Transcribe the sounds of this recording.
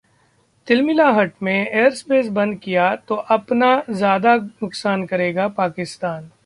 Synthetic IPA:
t̪ɪlmɪlaɦɐʈmẽejəɾspeːs̬bɐ̃nd̪̚kijat̪oʔɐpnazjaːd̪anʊksaːnkɐɾeːɡapaːkɪst̪aːn

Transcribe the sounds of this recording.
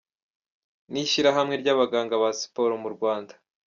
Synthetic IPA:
niʃiɾaɦamŋe̞ɾɟaβaɡaːŋɡaβasi̥po̞ɾomuɾɡwaːndḁ

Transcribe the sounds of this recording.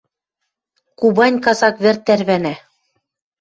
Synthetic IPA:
kubɑnʲkɑsɑkβɘ̆rt̪ːæɾβænæ

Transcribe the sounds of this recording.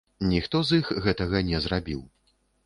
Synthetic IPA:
nʲixt̪ɔzixɣɛt̪ɐɣɐnʲɛzɾabʲiw

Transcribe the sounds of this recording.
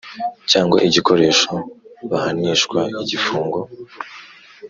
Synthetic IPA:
caːŋɡwa̰ʔiɟiko̞ɾe̞ːʃoβahaniːʃkwaiɟifuːŋɡo̞

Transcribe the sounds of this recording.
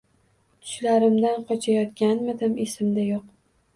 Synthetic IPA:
t̪ʰʊ̥ʃlaɾɪmd̪anqʰɒt͡ʃʰajɒt̪kʲanmɪd̪ɪmesɪmd̪ajoq

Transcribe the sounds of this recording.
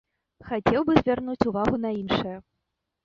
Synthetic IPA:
xat͡sʲɛwbɨzʲvʲarnut͡sʲuvaɣunɐinʂɨjɐ

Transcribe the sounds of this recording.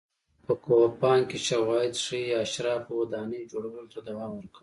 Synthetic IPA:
pəkopɑnkeʃawɑɪd̪ʂijɑːʃɾɑpwad̪ɑːned͡ʒoɽawəlot̪ad̪awɑːmwəɾkʰəw

